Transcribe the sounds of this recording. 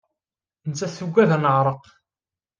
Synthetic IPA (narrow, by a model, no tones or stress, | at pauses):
nt͡sːæθuɡʷːæðænəʕɾˤəq